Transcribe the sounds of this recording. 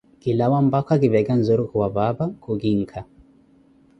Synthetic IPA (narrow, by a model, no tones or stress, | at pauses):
ɡ̥ilawam̩bakwaɡibɛɡan̩zoɾukuwababakʰuɡiŋkʰa